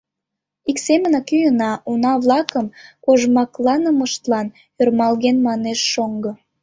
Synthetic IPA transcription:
iksemənɑkyjənɑunɑβlɑkəmkoʒmɑklɑnəməʃt̪lɑn | ørmɑlɣenmɑneʃːoŋɡɤ̆

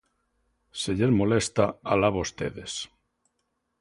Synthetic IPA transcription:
seʎeɾmolest̪aalaβost̪ḛðes

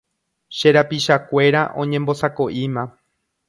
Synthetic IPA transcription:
ʃe̞ɾapiʃakʷe̞ɾaʔõ̞ɲẽmbo̞sakoʔimã

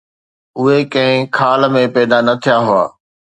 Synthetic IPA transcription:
ʊɦekɐ̃ɦɪ̃kʰaːlmẽpɛːd̪anɐt̪ʰijaɦʊa̰ː

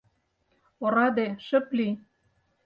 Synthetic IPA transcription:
oɾɑd̪eʃɘ̆pli

